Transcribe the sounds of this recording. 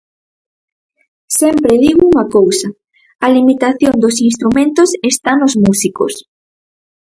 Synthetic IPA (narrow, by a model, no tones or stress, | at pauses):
sɛmpɾeðiɣouŋɐkowsɐ | ɐlimit̪aθjond̪osinst̪ɾumẽnt̪ʊsest̪anozmusiko̰s